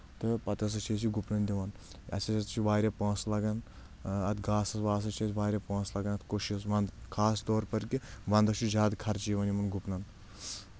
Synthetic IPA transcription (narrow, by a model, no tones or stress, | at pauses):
t̪ɨpɐt̪ɐs̬ɐt͡ʃʰisʰiɡupnɐnd̪ʲiʋɐn | ɐ̰sɐsɐt͡ʃʰiʋaːɾʲjɐpɐ̃ːslɐɡɐn | ɐt̪ʰɡaːsɐsʋaːs̬ɐt͡ʃʰisʋaːɾʲɐpɐ̃ːslɐɡɐnɐt̪ʰkoʃiɐs̬ʋɐnd̪kʰaːst̪oːɾpɐɾkiʋɐnd̪ɐt͡ʃʰid͡ʒaːd̪kʰɐɾt͡ʃiʋɐnimɐnɡupnɐn